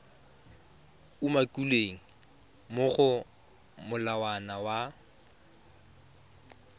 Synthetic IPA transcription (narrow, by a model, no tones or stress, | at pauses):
umakʼuleŋ̩ | mʊχʊ | mʊlawanawa